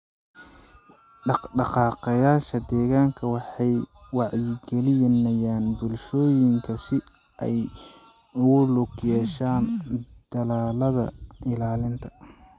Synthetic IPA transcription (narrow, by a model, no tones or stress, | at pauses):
ɖɑɖɑqɑːqɐjaːʃɐd̪ɛːɣaːŋkʰɐwɑħɑjwɑʕjɪɡɛlɪjnɐjaːnbʊlʃɔːjɪŋkʰɐsɪ | ʔɛ̰j | ʊɣʊlʊɡjɛːʃaːnd̪̥ɐlaːlɐðɐ̰ʔɪlaːlɪnt̪ʰɐ̥